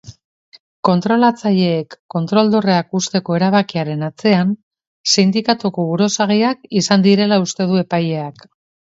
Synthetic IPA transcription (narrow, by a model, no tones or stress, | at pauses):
ko̞nt̪ɾo̞lat͡saʎe̞ːkːo̞nt̪ɾo̞ld̪o̞reakust̪e̞ko̞e̞ɾaβ̞akiaɾe̞nat͡se̞an | sind̪ikat̪ukoβuɾo̞saɣiakisand̪iɾe̞laust̪e̞ð̞ue̞paje̞ak